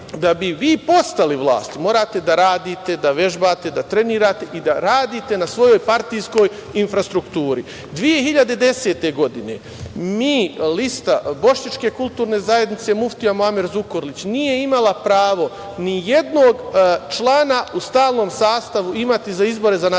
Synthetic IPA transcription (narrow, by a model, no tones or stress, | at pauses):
d̪abiʋiːpo̞st̪aliʋlˠa̰ːst̪imo̞ːɾaːt̪e̞d̪aɾaːd̪iːt̪e̞d̪aʋe̞ʒbaːt̪e̞d̪at̪ɾe̞niːɾaːt̪e̞ʔid̪aɾaːd̪iːt̪e̞nasʋo̞jo̞jpaɾt̪ijsko̞ːjinfɾast̪ɾukt̪uːɾi | d̪ʋije̞hiʎad̪ed̪e̞se̞ːt̪e̞ɡo̞d̪ine̞̰ | miːlist̪abo̞ʃɲat͡ʃke̞kulˠt̪uːɾne̞zaje̞d̪nit̪se̞muft̪iamoameɾzukoɾlit͡ɕnije̞imalˠapɾaːʋo̞ | nije̞d̪noːɡt͡ʃlˠaːnaust̪aːlˠno̞ːmsaːst̪aʋuimat̪izaizbo̞ɾe̞zana